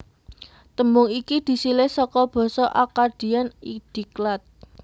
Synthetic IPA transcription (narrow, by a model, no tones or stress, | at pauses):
t̪əmbʊŋikid̪̥i̤silehsɔkɔb̥ɔ̤sɔʔakard̪̥i̤anid̪̥i̤klat̪̚